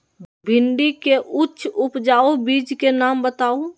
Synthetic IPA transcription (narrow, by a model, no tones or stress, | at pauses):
bʱɪɳɖikeʔʊtːʃʰʊpd͡ʒaːobiːd͡ʒkenaːmbət̪aːo